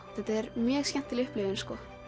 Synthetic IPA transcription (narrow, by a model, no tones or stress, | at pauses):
θɛht̪aɛɾmjœːɣscɛn̥t̪ɪlʏhplɪːvɪnskɔː